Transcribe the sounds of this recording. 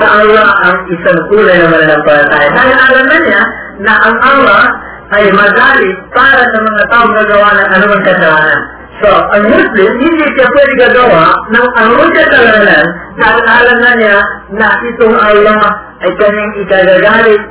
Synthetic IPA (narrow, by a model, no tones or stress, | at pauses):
sɐʔɐlːahʔɐŋɪsaŋʔuːlajnɐmannɐŋpɐlɐt̪aːjɐnaɡʔaːlɐmnɐnja | nɐʔɐŋɐlːa | ɐjmɐɡaːɾɪpaːɾɐsɐmɐŋat̪aːʔʊŋɡɐɡɐwaʔnɐŋɐnʊmaŋkɐsɐlaːnɐn | soʔɐŋmʊslɪmhɪnd̪ipjapwɛd̪ɪɡɐɡɐwaʔnɐŋɐnʊmaŋkɐsɐlaːnɐnnaɡʔaːlɐmɐnjanɐʔɪt̪ʊŋʔalːamʔɐjkɐnaŋɪkaɡaɡaːɾɪ